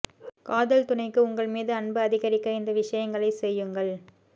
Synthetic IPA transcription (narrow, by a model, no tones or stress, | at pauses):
kaːðɐlt̪ʊnɐɪkːɯʊŋɡɐɭmiːðɯɐnbɯɐðɪɣɐɾɪkːɐɪnd̪ɐʋɪʂɐjɐŋɡɐɭɐɪsɛjːɯŋɡɐɭ